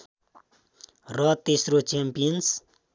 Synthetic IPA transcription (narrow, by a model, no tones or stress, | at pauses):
rʌt̪esrot͡ʃempijʌns